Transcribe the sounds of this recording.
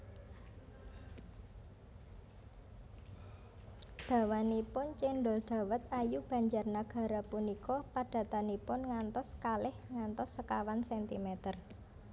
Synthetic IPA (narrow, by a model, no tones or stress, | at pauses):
d̪̥ä̤wanipʊnt͡ʃeɳɖɔld̪̥a̤wət̪̚ajub̥ä̤ɲd͡ʒarnaɡ̥a̤ɾapunikɔpaɖ̥a̤t̪anipʊnŋant̪ɔskalɪhŋant̪ɔsːəkawansɛnt̪imɛt̪ər